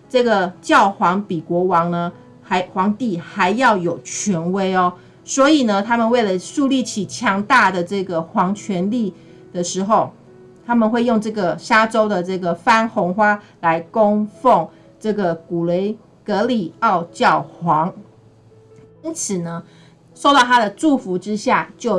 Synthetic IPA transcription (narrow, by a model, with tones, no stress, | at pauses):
ʈ͡ʂɤ˥˩ɡə˩t͡ɕjɑ˥˩ʊxwɑ˧˥ŋpi˨˩kwɔ˧˥wɑ˧˥ŋnə˧ | ha˧˥ɪxwɑ˧˥ŋt̪i˥˩xa˧˥ɪjɑ˥˩ʊjo˨˩ʊt͡ɕʰɥɛ˧˥nwe˥ɪɔ˨ | swɔ˧˥i˨˩nə˨t̪ʰa˥mə˨nwe˥˩ɪlə˩ʂu˥˧li˥˩t͡ɕʰi˨˩t͡ɕʰjɑ˧˥ŋt̪a˥˩d̪ə˩ʈ͡ʂɤ˥˩ɡə˩xwɑ˧˥ŋt͡ɕʰɥɛ˧˥nli˥˩ | d̪̥ə˨ʂɻ̩˧˥xo˨˩ʊ | t̪ʰa˥mə˨nxwe˥˧ɪjo˥˧ŋʈ͡ʂɤ˥˩ɡə˩ɕa˥ʈ͡ʂo˥ʊd̪ə˨ʈ͡ʂɤ˥˩ɡə˩fa˥nxo˧˥ŋxwa˥ | la˧˦ɪko˥ŋfo˥˨˩ŋ | ʈ͡ʂɤ˥˩ɡə˩ku˨˩lwe˧˥ɪ | kɤ˧˥li˨˩ɑ˥˧ʊt͡ɕjɑ˥˩ʊxwɑ˧˦˥ŋ | i˥nt͡sʰɹ̩˨˩nə˦ | ʂo˥˧ʊt̪ɑ˥˧ʊt̪ʰa˥d̪ə˨ʈ͡ʂu˥˩fu˧˥ʈ͡ʂɻ̩˥ɕja˥˩t͡ɕjo˥˩